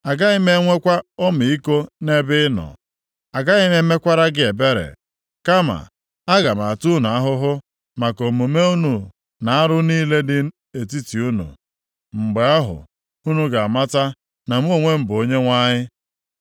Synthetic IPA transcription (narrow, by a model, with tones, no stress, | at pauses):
a˨ɡa˦ɣɪ˦me˦ŋʷe˦kʷa˦o˦mi˨i˦ko˦ne˦bɪ˦nɔ̰˨ | a˨ɡa˦ɣɪ˦me˦me˦kʷa˦ɾa˦ɡɪ˦e˨be˦ɾḛ˨ | ka˦ma̰˨ | a˦ɡa˨ma˨tu˦nu˨a˦ɦʊ˦ɦʊ˦ | ma˨ko˨m̩˨u˨me˦u˦nu˨ | na˨a˦ɾʊ˦niː˦le˦dɪ˦ | e˨t̬i˦ti˨u˦nṵ˨ | m̩˨ɡ͡be˨˦a˦ɦʊ̰˨ | u˦nu˦ɡa˨a˨ma˦ta˦ | na˨m˦o˦˨ŋʷe˦m̩˦bo˦ɲe˦ŋʷa˦ɲɪ˦